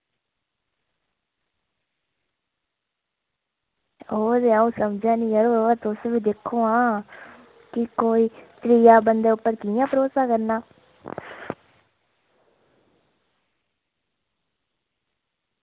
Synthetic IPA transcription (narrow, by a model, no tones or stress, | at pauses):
oːɾeaũːsəmd͡ʒãːnĩːəɾoːat̪ʊsʋiːd̪ekʰːoːãː | kɪkoːiːt̪ɾiːjaːbənd̪eːʊpːəɾkɪjãːpəɾoːsaːkəɾnaː